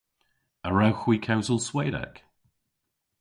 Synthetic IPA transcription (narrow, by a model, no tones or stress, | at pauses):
əɹawxwiˑkʰawzəlˠsweɪɾɛ̰k